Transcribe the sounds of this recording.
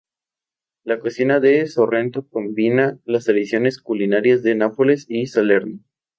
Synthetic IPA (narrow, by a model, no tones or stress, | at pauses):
lakosinaðesorent̪oko̞mbinalast̪ɾeðisjo̞ne̞skulinaɾjazðenapolesisale̞ɾno